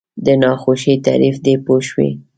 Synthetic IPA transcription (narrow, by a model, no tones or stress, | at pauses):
d̪ənɑxoʃit̪a̰ɾifd̪epoʃwḭ